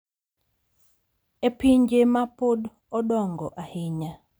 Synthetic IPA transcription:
epiɲd͡ʒemapod | ɔdɔŋɡɔʔahɪɲa

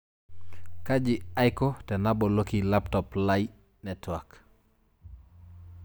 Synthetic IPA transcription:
kad͡ʒiajkɔtɛnabɔlokilaptɔplaj | nɛtwak

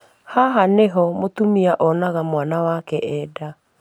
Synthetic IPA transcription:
haɦaneɦɔmotumiaʔɔnaɣamwanawakɛʔɛːda

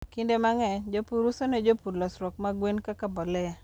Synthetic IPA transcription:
kindemaŋɛd͡ʒopuɾusɔnɛd͡ʒopuɾlɔsɾɔkmaɡwenkakabɔlɛja

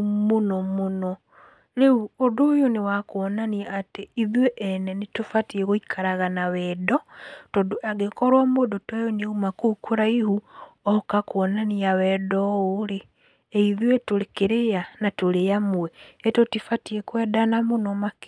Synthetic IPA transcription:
munɔmuno | leuodojonewakuɔnaniaːteiðweʔːnenitufatieɣoikʰaɾaɣanawɛdɔtodoaɡekɔɾwamwodotwejoneumakukuɾaihuɔkakwɔnaniawɛdɔule | eiðwetulekeɾejanatulejamueetotifatiekwɛdanamunomak

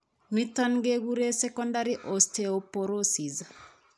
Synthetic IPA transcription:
mit̪anɡeɡuɾesɛkɔndaɾiʔosteopoɾosiza

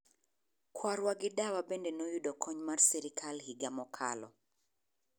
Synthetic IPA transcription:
kʰwaɾwaɡɪdawabendenɔjudɔkʰɔɲmarsɛɾikʰalhiɡamɔkʰa̰lɔ̰

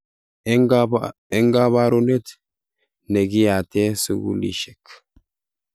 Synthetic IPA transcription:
ɛŋɡaβaɾunɛt̪ | nɛɡijat̪eːsuɡṵlḭʃɛkː

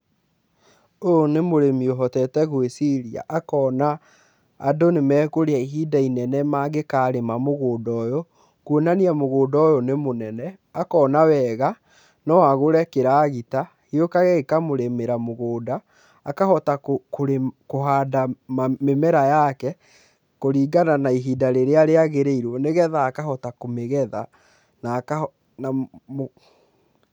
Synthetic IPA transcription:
onemoɾemioɦɔtɛtɛɣwesiɾia̰ʔakɔːnaː | donemɛkoɾeaiɦidainɛnɛmaɣekaːɾemamoɣodɔjɔ | kwonaniamoɣoːdɔjɔnemonɛnɛ | akɔːnawɛɣa | nɔwaɣoɾɛkeɾaɣita | hiokaɣɛekamoɾemeɾamoɣoːdaː | kahɔtakokoɾekoɦaːdammemɛɾajakɛ | koɾiːɡananaiɦidaɾeɾeaɾeaɣeɾeiɾwɔneɣɛðaːkaɦɔtakomeɣɛða | naka | namo

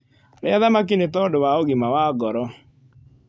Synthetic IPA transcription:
ɾeaðamak̬inetɔdowaoɣimawaːɡɔɾɔ

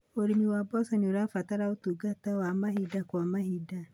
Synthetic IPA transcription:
oɾimiwabɔsɔnioɾafataɾaotuɡatawamahidakwamahida

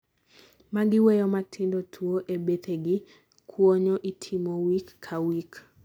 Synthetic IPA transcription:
maɡɪwejomatʰɪndotʰwoʔebet̪eɡɪ | kʰwoɲɔʔitʰimowikːʰawik

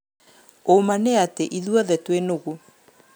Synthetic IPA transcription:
omaneateʔiðuɔðɛtwenoɣu

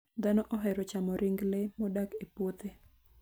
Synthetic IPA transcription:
d̪anɔʔɔɦɛɾɔt͡ʃamɔɾʔɪŋɡlemɔdakepwot̪e

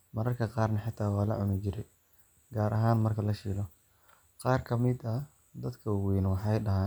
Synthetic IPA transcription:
mɐɾɐrkʰɐqɑːrnɐħɪt̪ʰːaːwɑːlɐ̰ʕʊnɪt͡ʃɪɾɛj | ɡaːɾʔɐɦaːnmɐrkʰɐlɐʃiːlɔ | qɑːrkʰɐmɪd̪ɐ | d̪ɐd̪kʰɐwwɛːnwɑħɑjɖɐɦaː

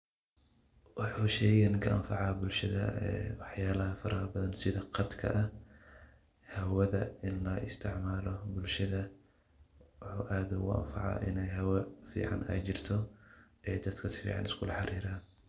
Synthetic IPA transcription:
wɑħuːʃɛjɣɐnkʰɐʔɐmfɑʕɑbʊlʃɐðɐ̰ɛ̰wɑħjaːlɐɦɐfɐɾaːrbɐðɐnsɪðɐqɑd̪kʰɐ̰ʔɐ | hɐwɐðɐɪnlɐʔɪst̪ʰɪʕmaːlɔbʊlʃɐðɐ | wʊħuːʔaːðʊɣʊʔɐ̰mfɑ̰ʕɑ̰ʔɪnɛjɦɐwɐfḭːʕɑ̰nɛ̰ːjt͡ʃɪrt̪ʰɔʔɛːd̪ɐd̪kʰɐsɪ̥fḭːʕɑ̰nɪskʰʊlɐħɑɾiːɾaːn

